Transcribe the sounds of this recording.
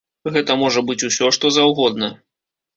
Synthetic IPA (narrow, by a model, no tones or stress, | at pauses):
ɣɛt̪ɐmɔʐɐbɨt͡sʲusʲɔʂt̪ɔzawɣɔd̪nɐ